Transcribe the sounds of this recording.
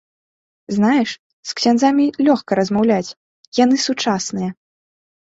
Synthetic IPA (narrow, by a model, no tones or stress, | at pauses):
znajɛʂ | sksʲanzamʲilʲɔxkɐɾɐzmawlʲat͡sʲ | janɨsut͡ʂasnɨjɐ